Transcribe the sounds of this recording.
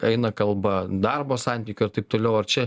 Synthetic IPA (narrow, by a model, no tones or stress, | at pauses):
ɛɪnɐkɐlˠbɐd̪ɐrboːsɑnʲt̪ʲiːkʲʊɪɾt̪ɐɪp̚t̪oːlʲɛʊɐrt͡ʃʲɛ